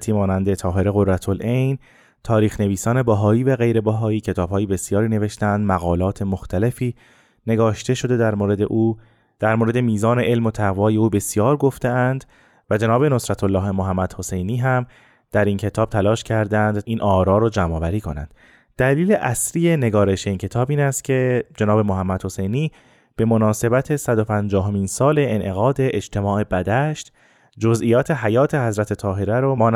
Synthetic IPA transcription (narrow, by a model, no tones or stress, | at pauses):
t̪ʰiːmɒːnænd̪e̞t̪ʰɒːɦe̞ɾe̞ɣo̞ɾɾæt̪ʰolʔejn | t̪ʰɒːɾiːxne̞viːsɒːne̞bæɦɒːiːvæɣe̞jɾe̞bæɦɒːiːcʰe̞t̪ʰɒːb̥hɒːjebe̞sjɒːɾiːne̞ve̞ʃt̪æænd̪mæɣɒːlɒːt̪ʰe̞mo̞xt̪ʰæle̞fiː | ne̞ɡɒːʃt̪e̞ʃo̞d̪e̞d̪æɾmoːɾe̞d̪e̞ʔuː | d̪̥æɾmoːɾe̞d̪emiːzɒːne̞ʔelmo̞t̪ʰæɣvɒːje̞uːbe̞sjɒːɾɡo̞ft̪e̞ænd̪ | væd͡ʒe̞nɒːbe̞no̞sɾæt̪ʰolːɒːɦemoɦæmːæd̪̥ho̞se̞jniːɦæm | d̪̥æɾiːncʰe̞t̪ʰɒːb̥̚t̪ʰælɒːʃcʰæɾd̪ænd̪iːnʔɒːɾɒːɾod͡ʒæmɒːvæɾiːkʰo̞̰næ̰nd̪̥ | d̪̥æliːleʔæsɾije̞ne̞ɡɒːɾe̞ʃeiːncʰe̞t̪ʰɒːbiːnæst̪cʰe̞d͡ʒe̞nɒːbe̞moɦæmːæd̪̥ho̞se̞jniː | b̥e̞mo̞nɒːse̞bæt̪ʰe̞sæd̪o̞pʰænd͡ʒɒːɦo̞minsɒːle̞ʔːnʔe̞ɣɒːd̪eʔed͡ʒt̪ʰe̞mɒːʔe̞bæd̪æʃt̪ | d͡ʒo̞zʔiːjɒːt̪ʰe̞ɦæjɒːt̪ʰe̞ɦæzɾæt̪ʰe̞t̪ʰɒːɦe̞ɾæɾomːn